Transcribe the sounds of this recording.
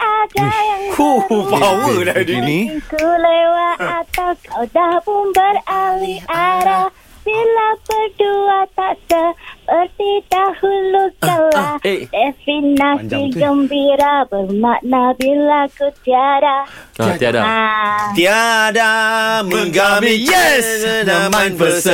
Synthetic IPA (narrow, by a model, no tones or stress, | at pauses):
ʔadajaŋkuupawədadiniikulewaat̪awkʰawdahpʊnbəɾaliʔaɾa | b̥ilapərduat̪aʔsəpəɾt̪it̪ahulukəladɛfinasdiɡəmbiɾabəɾmaʔnabilakut̪iaɾat̪iadaat̪iadaməŋɡamiɛsmafəs